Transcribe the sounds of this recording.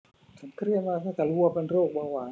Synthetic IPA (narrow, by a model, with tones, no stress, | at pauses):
t͡ɕʰa˨˦nkʰɾi˥˩ənmaː˧t̪ʰaː˥˩t̪ɛː˨˩lu˧ɐpe˧nɾoː˥˩k̚baː˧waː˩˦